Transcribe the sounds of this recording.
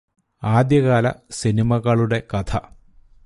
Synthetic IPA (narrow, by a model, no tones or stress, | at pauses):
aːd̪jɐɣaːlɐ̰sinimɐɣɐɭuɽe̞kɐt̪ʰɐ̰